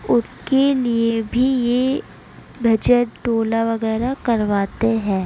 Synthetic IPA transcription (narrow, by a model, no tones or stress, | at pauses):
ʊs | keliebʱije | bʱɐd͡ʒəʈʈoːlaʋɐɣɛːɾakɐɾʋaːt̪eɦɛ̃ː